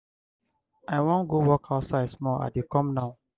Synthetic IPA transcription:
aɪwɔ̃nɡowɔkʰaʊtsaɪdsmɔa̰dekɔ̃mnaʊ

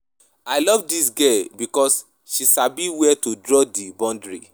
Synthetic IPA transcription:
ajlɔvdis̬ɡɛbikɔs | ʃiʃabiwɛtudɹɔdibɔ̃ndɹḭ

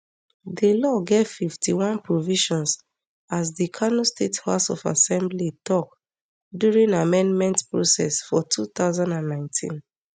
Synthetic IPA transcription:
ðəlɔɡev̥fiftiwãnpɹɔviʃɔ̃ns | azðikʰanostethasɔfa̰sɛ̃mblitʰɔk̚ | djuɹĩŋamɛ̃nmɛ̃ntpɹosɛ̰sfɔtʰuθaʊzãndãnːãɪ̃ntʰḭ̃n

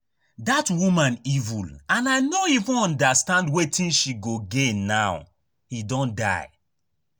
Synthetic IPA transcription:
datwumãnivṵlãnaɪnoivũnɔ̃ndastãndwetʰĩnʃiɡoɡenaw | hidɔ̃nda̰ɪ

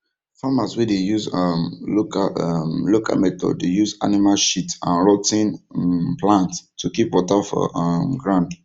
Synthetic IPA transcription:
famaswɛdejuzmokamlokʰa̰lmɛtʰɔ̰dejuza̰nimalʃitã̰nɹɔtĩnplãnttʰːukipwɔtafɔ̰mɡɹãnd

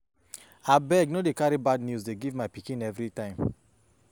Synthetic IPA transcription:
abɛɡnodekaɾibadnjuzdeɡivmaɪpikĩnɛvɹitãɪ̃m

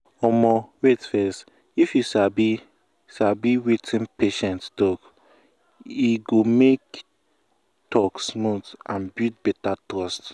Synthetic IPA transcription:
ɔmɔwetfɛst | ifjusabi | ʃabiwitʰĩnpeʃɛ̃nttɔk | iɡomek | tɔksmutãnbjut̚bɛtatɹɔst

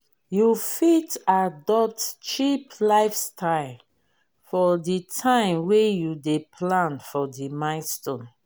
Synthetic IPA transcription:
jufitadɔp̚tt͡ʃiplaɪfstʰaɪl | fɔditʰãɪ̃mwejudepʰlãnfɔdimãɪ̃nstõn

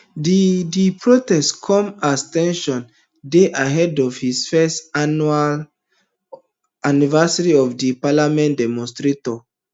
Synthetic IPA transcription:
didipʰɹotɛstkʰɔ̃mastɛ̃nʃɔ̃n | deʔaɦɛdɔvhisfɛstanual | anivɛsaɹiɔfdipalamɛ̃ntdɛmɔ̃nstɹetɔ

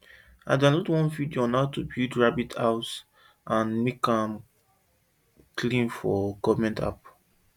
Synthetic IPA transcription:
aɪdonɔtwɔ̃nvidionaʊtubildɹabitʰaʊt | ãnmekãm | kʰlĩnfɔkɔmɛ̃ntʰa̰p

